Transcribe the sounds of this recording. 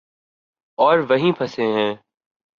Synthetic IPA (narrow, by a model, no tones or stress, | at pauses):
ɔːɾʋɐɦĩpʰɐsẽɦɛ̃ː